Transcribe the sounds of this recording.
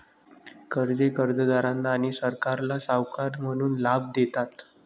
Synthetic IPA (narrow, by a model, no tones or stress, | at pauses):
kəɾd͡zekəɾd͡zəd̪aɾãnt̪aɽ̃isəɾkaɾlasawkaɾm̤əɽ̃uːnlab̚d̪et̪at̪